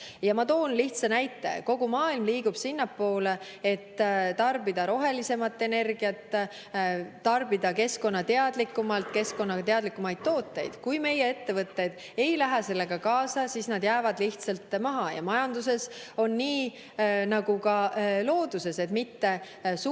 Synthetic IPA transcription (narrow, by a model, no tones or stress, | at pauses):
jɑmɑt̪o̞ːnliht̪sɑnæjt̪ːˑe̞̰ko̞ɡumɑːilmliːɡ̥ub̥sinːɑpːo̞ːle | et̪ːt̪ɑrbid̪̥ɑɾo̞ɦe̞lise̞mɑt̪ːˑe̞ne̞rɡ̥iɑt̪ː | ɑrbid̪̥ɑke̞sko̞nːɑt̪e̞ɑd̪̥likːˑumɑlt̪ke̞sko̞nːɑt̪e̞ɑd̪likːˑumɑjd̪̥̚t̪o̞ːt̪ːˑe̞̰jd̪̥kujme̞jee̞t̪ːe̞vɤt̪ːe̞jd̪̥ | e̞jlæɦæse̞lːe̞ɡ̥ɑkɑːsɑsiːsnɑd̪jæːvɑd̪liht̪sɑlt̪ːmɑɦɑjɑ̰mɑjɑnd̪̥us̬e̞so̞nːiː | nɑɡukɑlo̞ːd̪̥use̞se̞t̪mit̪ːe̞ | s